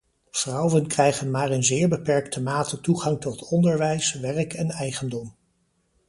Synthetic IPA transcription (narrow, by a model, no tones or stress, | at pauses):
v̥rɑwənkrɛjχənmaːrənzɪːɹbəpɛɹktəmaːtətuχɑŋtɔtʰɔndəɹʋɛjsʋɛrkɛnɛjχəndɔm